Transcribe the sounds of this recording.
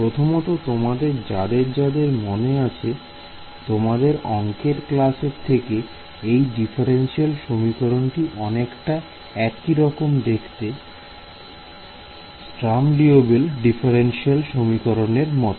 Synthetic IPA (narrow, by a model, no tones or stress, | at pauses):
pɾot̪ʰomot̪ot̪omad̪eɾd͡ʑad̪eɾd͡ʑad̪eɾmoneat͡ɕʰe | t̪omad̪eɾɔŋkeɾklaseɾt̪ʰeke | ejɖifʰaɾenʃialʃomikoɾonʈiʔɔnekʈa | ɛkiɾɔkomd̪ekʰt̪e | sʈɾamɖiobelɖifʰeɾenʃialʃomikoɾoneɾmɔt̪o